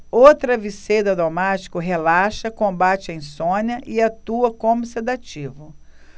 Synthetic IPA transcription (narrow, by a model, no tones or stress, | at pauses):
owt̪ɾɐvised̪ɐd̪omat͡ʃi̥kʊɦelaʃɐkõbat͡ʃɪẽj̃sõɲɐʔɪat̪uɐkõmʊsed̪at͡ʃivʊ